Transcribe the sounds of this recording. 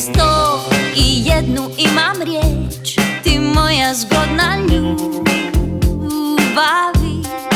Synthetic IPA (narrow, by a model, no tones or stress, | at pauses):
st̪oijɛd̪nuimamɾʲjɛt͡ʃt̪imɔjazɡɔd̪nalu | bavi